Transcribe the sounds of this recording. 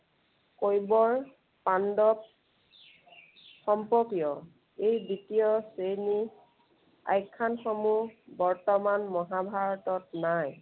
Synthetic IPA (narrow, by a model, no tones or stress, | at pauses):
kojbɔɹ | pandɔp̚ | xɔmpɔkijɔ | ejditijɔsejni | a̰jkʰːanxɔmubɔɹtɔmanmɔɦabʱaɹɔtɔtnaj